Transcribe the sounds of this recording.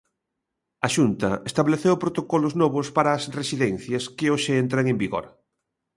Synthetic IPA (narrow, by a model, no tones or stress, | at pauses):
ɐʃunt̪ɐest̪aβleθewpɾot̪okɔloznɔβospaɾɐːsresiðɛnθjɐskeoʃeent̪ɾaŋembiɣo̰ɾ